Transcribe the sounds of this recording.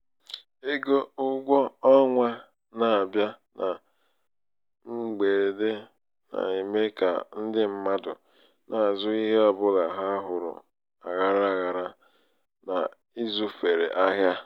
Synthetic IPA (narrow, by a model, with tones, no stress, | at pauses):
e˦ɡo˦ʊ˦ɡʷɔ˦ɔ˦ŋʷa˦ | na˨a˨bja˦nʔa˨ | ŋ͡m̩˦ɡ͡be˨de˦ | na̰˨i˨me˦ka̰˨n̩˦dɪ˦m̩˦ma˦dʊ˨ | na˨a˨zʊ˦i˦ɦe˦ɔ˦bʊ˦la˨ɦa˦ɦʊ˨ɾʊ̰˨ | a̰˨ɣa˨ɾa˦a˨ɣa˨ɾa˦ | na̰˨ | i˦zʊ˦fe˨ɾḛ˨ʔa˦ɦja˦